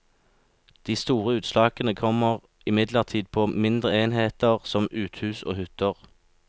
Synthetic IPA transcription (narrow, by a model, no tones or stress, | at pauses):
d̪̥iːst̪uːʁəʉːt̪slɑːkənəkʰɔməʁ | ɪmɪd̪ləʁt̪ʰiːd̪̚pʰoːmɪnd̪ʁəeːnheːt̪əʁsɔmʉːt̪hʉːso̰ːhʉt̪əʁ